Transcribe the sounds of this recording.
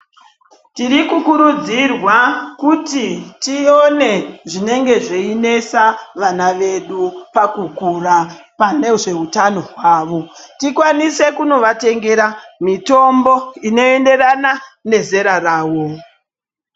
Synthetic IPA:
tiɾikukuɾud͡zirwakutitione̞ʐine̞ŋɡe̞ʐeine̞saʋanaʋe̞ɗupakukurapane̞ʐe̞ɦutano̞ɦwaːʋo̞tikwanise̞kuno̞ʋate̞ŋɡe̞ɾamito̞mbo̞ino̞ende̞ɾanane̞ze̞ɾaraːwo̞

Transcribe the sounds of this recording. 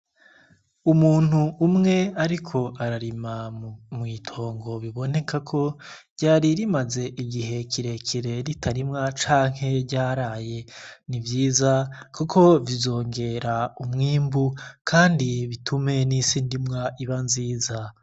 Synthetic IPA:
umuːn̥huːmŋe̞aɾikʰo̞ʔaɾaɾimamŋiːtʰo̞ːŋɡo̞βiβo̞ne̞kakʰo̞ɾɟ̥aːɾiɾimaze̞ʔiɡiɦe̞kʰiɾe̞kʰiɾe̞ɾitʰaɾimŋat͡ʃaːŋ̥he̞ɟaːɾaːje̞nivjiːzakukʰo̞vizo̞ːŋɡe̞ɾaumŋiːmbukʰaːndiβitʰume̞nisiːndimŋaiβanziːza

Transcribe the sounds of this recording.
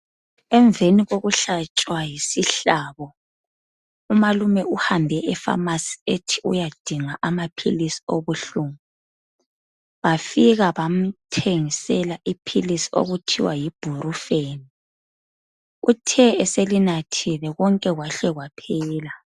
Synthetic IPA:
ɛɱbveniɣoɣuɬat͡ʃʼwajisiɬaːβɔ | umalumɛʔuhambʱɛʔɛfa̰masi̥etʰiṵjad̥ʱiŋaʔamapʰḭlisi̥oβuɬumu | βafiɣaβam̩tʰeŋisɛlaʔipʰilisi̥o̰ɣutʰiwajib̥ʱurufeni | utʰɛɛselinatʰilɛɣɔŋkʼɛɣwaɬɛɣwapʰɛːla

